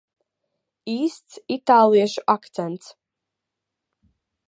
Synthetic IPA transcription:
iːst̪sit̪aːlˠiɛʃuʔakt̪sɛnt̪s

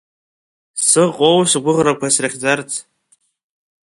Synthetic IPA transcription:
sɨqʼowʂɡʷʊʁrakʷʰasraχʲd͡zart͡sʰ

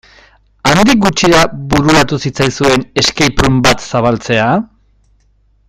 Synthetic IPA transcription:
and̪ik̚ɡut͡ʃiɾaβuɾuɾat̪usit͡sajsue̞ne̞skejpɾumbat̪saβalt͡se̞a

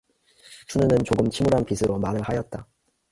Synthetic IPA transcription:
sʰunɯnɯnt͡ɕoɡɯmt͡ɕʰimuɾanpisʰɯɾʔomaɾɯɭhajʌt̚t͈a

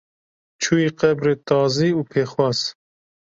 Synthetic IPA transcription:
t͡ʃʰuːjiːqɛbɾeːt̪ɑːziːuːpʰeːxwɑːz

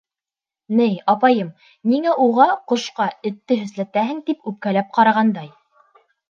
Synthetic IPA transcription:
nɘjɑpɑjɤm | niŋæʔuʁɑqŏʃqɑɘ̆t̪ːɘɦɵ̆zlæt̪æɦɘ̆ŋt̪ipʉp̚kælæp̚qɑɾɑʁɑnd̪ɑj

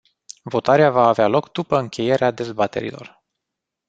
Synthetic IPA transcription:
vo̞t̪aɾeavaːvealo̞kd̪upəɨŋkʲe̞je̞ɾead̪e̞zbat̪e̞̰ɾḭlo̞̰r

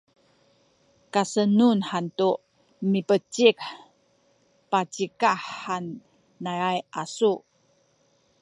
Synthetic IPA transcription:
kasənunħantu | mipət͡ɕik | pat͡ɕikaħanː | aɾajʔasuʔ

